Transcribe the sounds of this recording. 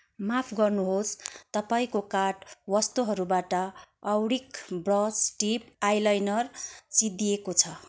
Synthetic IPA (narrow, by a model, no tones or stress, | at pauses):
mapʰɡʌrnuɦost̪ʌpaĩkokaʈwʌst̪uɦʌɾubaʈʌʌwɽikbrʌsʈipajlajnʌrt͡sid̪ijekot͡sʰʌ